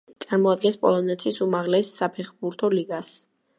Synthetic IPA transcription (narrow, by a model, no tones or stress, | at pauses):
t̪sʼaɾmɔad̪̚ɡɛnspʼɔ̰lˠɔnɛt̪ʰisumaʁlɛsːapʰɛχbuɾt̪ʰɔliɡas